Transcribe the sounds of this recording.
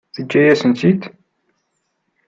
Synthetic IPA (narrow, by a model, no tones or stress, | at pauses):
θəd͡ʒːæjæsənt̪it̪